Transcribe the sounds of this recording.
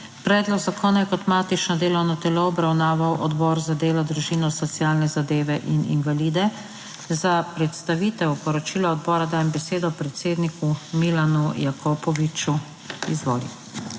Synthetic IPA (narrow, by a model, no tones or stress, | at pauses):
pɾɛːd̪lɔɡzakʰɔːnajɛkɔt̪maːt̪it͡ʃnɔd̪eːlɔwnɔt̪ɛloɔbɾawnaːʋawʔɔd̪bɔːɾzad̪eːlɔd̪ɾuʒiːnɔsɔt̪sijaːlnɛzad̪eːʋɛʔinḭnʋaliːd̪ɛ | zapɾɛt̪st̪aʋiːt̪ɛwpɔɾɔt͡ʃiːlɔɔd̪bɔːɾad̪aːjɛmbɛseːd̪ɔpɾɛt̪seːd̪nikumilanujakʰɔpɔʋit͡ʃu | ḭzʋɔ̰ːlḭw